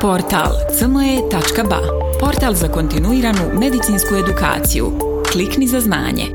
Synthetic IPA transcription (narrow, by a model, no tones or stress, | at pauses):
po̞ɾt̪a̰lˠt̪sənoje̞t̪at͡ʃkaba̰ | po̞ɾt̪alˠzako̞nt̪inuiːɾanume̞d̪it̪siːnskue̞d̪uka̰ːt̪sḭjṵ | kliknizazna̰ːɲḛ